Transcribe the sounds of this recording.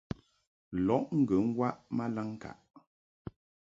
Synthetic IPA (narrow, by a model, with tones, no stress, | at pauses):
lɔ˨˦ʔŋ̩˦ɡə˨˦ŋ̩˦wa˦ʔma˦la˦ŋ˦ka̰˨ʔ